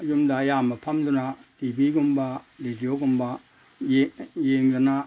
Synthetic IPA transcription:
ɐjumdaːjamɐpʰamdunatibiɡumbaɾidijoɡumba | jjeŋdana

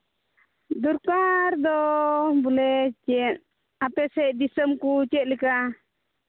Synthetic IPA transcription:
d̪uɾkaɾd̪ɔbulɛt͡ʃɛt̪̚ | apɛsɛʔd̪isəmkut͡ʃɛt̪̚lika

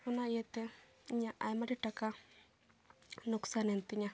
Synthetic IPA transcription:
unajɛt̪ɛ | ɲaʔajmaɾiʈaka | nuksanent̪iɲa

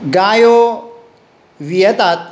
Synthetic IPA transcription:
ɡaːjo | ʋiɐt̪at̪̚

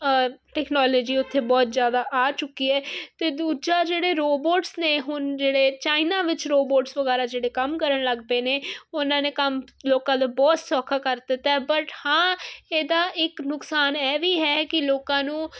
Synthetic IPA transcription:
ʈɛːknɔːloːd͡ʒiːʊt̪ʰːeːbɔːt̪zjaːd̪aːʔaːt͡ʃʊkːiːɛːt̪eːd̪uːd͡ʒaːd͡ʒeːɽeːɾoːboːʈsneːɦʊnd͡ʒeːɽeːt͡ʃaːinãːʋɪt͡ʃɾoːboːʈsʋəɡɛːɾaːd͡ʒeːɽeːkəmkəɾəɳləɡpeːneːʊnãːneːkəm | loːkãːd̪eːbɔːt̪sɔːkʰaːkəɾd̪ɪt̪ːɛbəʈhãːeːd̪aːɪknʊksaːnɛːʋiːɦɛːkɪloːkãːnũː

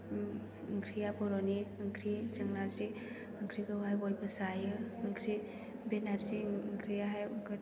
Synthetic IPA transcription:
ŋkʰɾijabɔɾɔniɯŋkʰɾit͡ʃaŋnaɾzi | ɯŋkʰɾiɡɯwɦajbɔjbɯsajɯɯŋkʰɾi | benaɾsiŋkʰɾijaɦajɡ

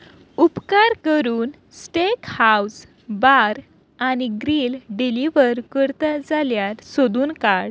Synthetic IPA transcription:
upkaɾkəɾuːn | sʈekhaws | baɾ | aniɡɾilɖiliʋəɾkəɾt̪ad͡zaljat̪sod̪uːnkaɽ

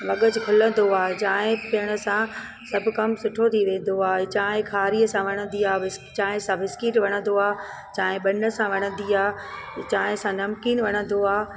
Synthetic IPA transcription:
ʋɐɠət͡ɕɪkʰʊlə̃nd̪oaːɦet͡ɕaːɦɪ̃pɪjəɽ̃ə̆sã | sɐbʱʊ̆kɐmsʊʈʰot̪ʰiʋẽːn̆d̪oaːɦet͡ɕaːɦɪ̃kʰaːɾiːəsãʋɐɽ̃ə̃nd̪iaːɪst͡ɕaːɦɪ̃sãʋɪskiːʈʋɐɽ̃ə̃nd̪oaː | t͡ɕaːɦɪ̃ɓɐnə̆sãʋɐɽ̃ə̃n̆d̪iaː | t͡ɕaːɦɪ̃sãnɐmkiːnʋɐɽ̃ə̃n̆d̪oaː

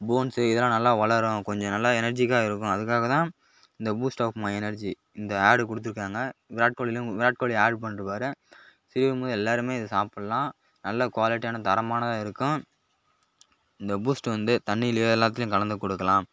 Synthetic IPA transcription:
boːnsɯɪðɐlːãːnɐlːaːʋɐɭɐɾʊ̃kɔɲd͡ʒɔ̃nɐlːaɛnɐɾd͡ʒikːaːɪɾɯkːʊ̃ɐðɯkːaːɣɐt̪ãː | ɪnd̪ɐbuːsʈaːpmaɛnɐɾd͡ʒi | ɪnd̪ɐaːɾɖkɔɽɯt̪ːɪɾɯkːaːŋɡɐʋɪɾaːʈ̚koːɭɪlʊ̃ʋɪɾaːʈ̚koːɭɪaːɾɖpɐɳːɾɯpaːɾɯ̃sɪɾɪʋɯmoːðɐɛlːaːɾɯmeːɪðɯsaːpɐɽɐlãː | nɐlːɐkʋaːlɪʈːɪjaːnɐt̪ɐɾɐmaːnɐðaːɪɾɯkːʊ̃ | ɪnd̪ɐbuːsʈʋɐnd̪ɯt̪ɐɳːɪɪljoːɛlːaːt̪̬ːɪljʊ̃ŋkɐlɐnd̪ɯkːɔɽɯkːɐlãːm

